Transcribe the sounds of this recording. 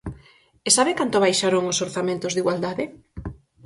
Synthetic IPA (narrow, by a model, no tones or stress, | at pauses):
esaβɪkant̪oβajʃaɾoŋʊsoɾθamẽnt̪ʊzðiɣwald̪aðɪ